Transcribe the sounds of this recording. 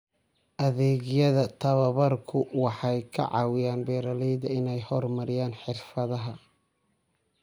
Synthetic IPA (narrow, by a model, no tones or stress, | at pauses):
ʔɐðɛːɣɪjɐðɐt̪ʰɐβɐβɐrkʰʊwɑħɑjkʰɐ̰ʕɑ̰ːwɪjaːnbɛːɾɐlɛjðɐɪnɛjhɔrmɐɾɪjaːnħɪrfɐðɐɦɐ